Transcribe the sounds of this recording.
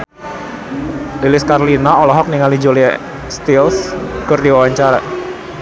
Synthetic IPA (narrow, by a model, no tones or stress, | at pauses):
lilɪskarlinaɔlɔɦɔk̚niŋalid͡ʒolia̰ | st̪ilskɨrdiwawaɲt͡ʃaɾa